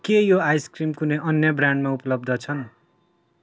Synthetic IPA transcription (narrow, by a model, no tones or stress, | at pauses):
kejoajskrimkuneʔʌnjʌbraɳɖmaupʌlʌbd̪ʱʌt͡sʰʌn